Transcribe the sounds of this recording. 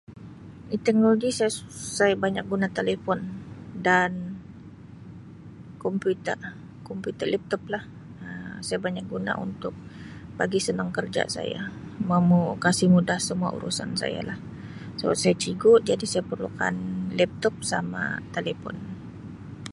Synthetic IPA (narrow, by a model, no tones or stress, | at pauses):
it̪ɛk̚noloɡisajasajabaɲak̚ɡunat̪elefɔndan | kɔmput̪ər | kɔmpjut̪ərlɛp̚t̪ɔp̚lah | əsajabaɲak̚ɡuna̰ʔṵnt̪ʊk̚b̥aɡisənaŋkərd͡ʒa̰sa̰ja̰mamukasɪhmudahsəmua̰ʔṵɾṵsa̰nsa̰ja̰lah | səba̰t̪̚sajat͡ʃiɡʊʔ̚d͡ʒadisajapərluka̰nlɛp̚t̪ɔp̚sama̰t̪elefɔ̰n